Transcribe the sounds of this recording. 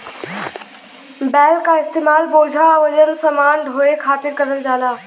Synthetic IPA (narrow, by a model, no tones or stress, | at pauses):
bɛːlkaɪst̪eːmaːlboːd͡ʑʱaʋɐd͡ʑənsɐmaːnɖʱoːekʰaːt̪ɪɾkɐɾəld͡ʑaːlaː